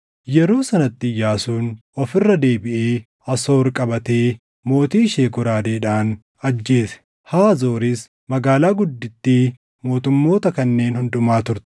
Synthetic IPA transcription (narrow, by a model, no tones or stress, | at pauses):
jɛɾoːsɐnɐt̪ːɪjaːsuːnɔfɪrːɐd̪e̞ːbɪʔeː | ɐsoːɾkʼɐbɐt̪eː | mo̞ːt̪iːʃeːkʊɾaːd̪e̞ːᶑaːn | ɐd͡ʒːe̞ːsɛ̥ | haːzo̞ːɾɪs | mɐɡaːlaːɡʊd̪ːɪt̪ːɪ | mo̞ːt̪ʊmːo̞ːt̪ɐkɐnːe̞ːnhʊnd̪ʊmaːt̪ʊɾt̪ɛ̥